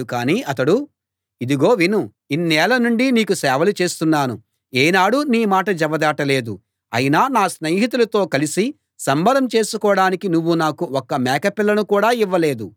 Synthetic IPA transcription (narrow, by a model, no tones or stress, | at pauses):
ukaːniːɐt̪ɐɽu | id̪iɡo̞ːʋinu | inːɛːlɐnuɳɖiniːkusɛːʋɐlut͡ʃe̞ːst̪unːaːnu | eːnaːɽuniːmaːʈɐd͡ʒɛʋɐd̪aːʈɐle̞ːd̪u | ɐ̰jinaːnaːsnɐːɦit̪̬ulɐt̪o̞ːkɐlisi | sɐmbɐd̪ɐmt͡ʃe̞ːsukɔːɽaːnikinuʋːunaːkuɔkːɐmɛːkɐpilːɐnukuːɽaːiʋːɐle̞ːd̪u